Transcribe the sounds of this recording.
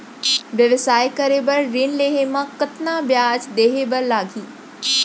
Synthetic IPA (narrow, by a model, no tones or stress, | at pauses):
ʋjəʋəsaːjkɐɾebəɾɾiːnleːɦemãkɐt̪nabjaːd͡ʑd̪eːɦebəɾlaːɡʱiː